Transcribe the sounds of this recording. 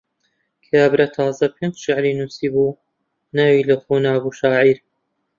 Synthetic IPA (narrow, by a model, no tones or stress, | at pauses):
kʰaːbɾɐt̪ʰɑːzɐpʰend͡ʒʃɪʕɾiːnuːsiːbuː | naːwiːlɐxoːnaːbuʃaːʕiːɾ